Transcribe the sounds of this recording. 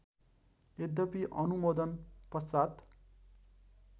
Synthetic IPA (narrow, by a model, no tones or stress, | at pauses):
ed̪ʌpiʔʌnumod̪ʌnpʌsat̪